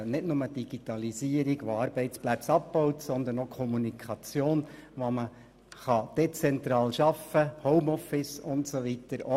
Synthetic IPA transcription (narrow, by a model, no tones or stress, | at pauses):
nɪdnʊməd̥iɡ̥itɑliziːəɾiɡʋoɑɾbɛɪt͡splæt͡sɑppɔʊtsɔnd̪ənokʰɔmunikʰχɑt͡sjoːnʋomə | χɑd̥et͡sɛnt̪ɾɑːlʃɑfəhɔʊmɔfɪsʊntsoʋitəɾo